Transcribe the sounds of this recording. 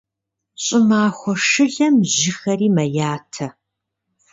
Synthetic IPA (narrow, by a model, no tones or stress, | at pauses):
ɕʼɪmaːxʷɔʂɨɮɐmʑɪxɐriːmɐjaːtʰɐ